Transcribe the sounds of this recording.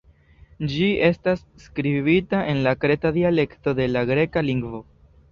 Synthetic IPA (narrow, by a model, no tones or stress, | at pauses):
d͡ʒiʔe̞stasːkɾiβitaʔe̞nlakɾe̞tadiale̞kto̞de̞laɡɾe̞kaliŋɡvo̞